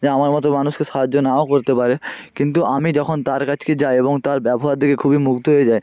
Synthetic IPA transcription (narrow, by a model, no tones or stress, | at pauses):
d͡ʑeamaɾmɔt̪̬omanuʃkeʃaɦadːonaokoɾt̪epaɾekint̪uamid͡ʑɔkʰont̪aɾkat͡ʃʰked͡ʑajeboŋt̪aɾbɛboɦaɾd̪ʱikekʰubimukt̪oɦoed͡ʑae